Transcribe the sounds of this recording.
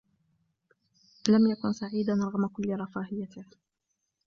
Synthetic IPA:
lamjakʊnsaʕiːd̪anɾˤɑɣmakʊlːɾˤɑfaːhɪjːat̪ɪh

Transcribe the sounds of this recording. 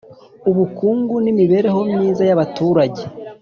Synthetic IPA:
uβukuːŋɡunimiβe̞ːɾe̞ɦo̞mɲiːzajaβatuːɾaɟe̞

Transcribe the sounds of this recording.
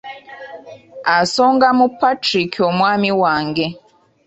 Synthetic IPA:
asɔŋɡamupatɾikʰiɔmwamiwaŋɡɛ

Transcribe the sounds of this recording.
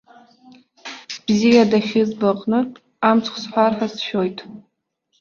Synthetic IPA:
b̥zijadaχʲɪzbaqʼnɨ | amt͡sʰʼχʷsħʷarħasʃᶣo̞jtʼ

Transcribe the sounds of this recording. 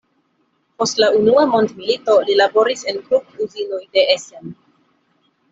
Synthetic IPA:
po̞stlaunuamo̞ndmilito̞lilabo̞ɾise̞nɡɾupuzinojde̞ʔesen

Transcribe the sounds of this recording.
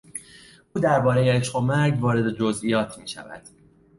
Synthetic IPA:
ʔuːd̪æɾbɒːɾe̞jeeʃχo̞mæɾɟvɒːɾe̞d̪ed͡ʒozijɒːt̪ʰmiːʃæ̰væ̰d̪̥

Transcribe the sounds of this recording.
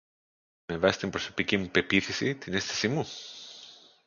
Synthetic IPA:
mevast̪impɾosopikimupepiθisit̪inest̪e̥simu

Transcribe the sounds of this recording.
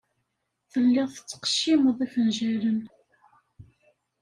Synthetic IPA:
θəlːɪðˤθət͡sːə̥qʃːimðˤifənʒæɾən

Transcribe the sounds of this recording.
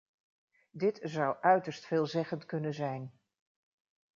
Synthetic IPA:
dɪtzʌwʔœɥtəɹstfɪːlˠzɛχəntkɵnənzɛjn

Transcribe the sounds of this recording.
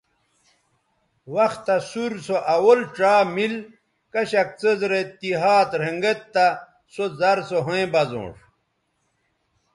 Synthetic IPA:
wɐxt̪ːɐsuɾsoʔɐwolʈ͡ʂaːmil | kɐɕɐk̚t͡səzɾet̪iɦaːt̪ɾeŋɡet̪ːa | sozɐɾsoɦoẽbɐzõ̰ːʂ

